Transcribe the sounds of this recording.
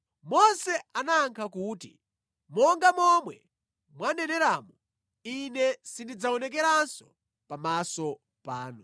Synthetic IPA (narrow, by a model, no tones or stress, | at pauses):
mɔnsɛanaːŋkʰakuːtḭ | mɔŋɡamɔmwɛ | mwanɛnɛɾaːmu | inɛsindid͡zaɔnɛk̬ɛɾansɔ̥ | pamasɔ | paːnu